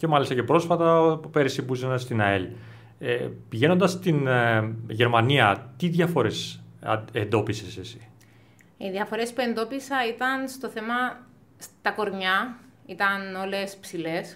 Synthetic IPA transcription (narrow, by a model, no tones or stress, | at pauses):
ce̞mɐlist̪ɐcepɾo̞sfɐt̪ɐpeɾisibuzenɐst̪inɐel | epiʝe̞no̞nd̪ɐst̪in | ʝe̞ɾmɐniɐt̪iðʝɐfo̞ɾe̞s | end̪o̞pisesesi̥ | iðiɐfo̞ɾe̞spue̞nd̪o̞pisɐit̪ɐnst̪o̞θe̞mɐ | st̪ɐko̞ɾɲɐ | it̪ɐno̞le̞spsile̞s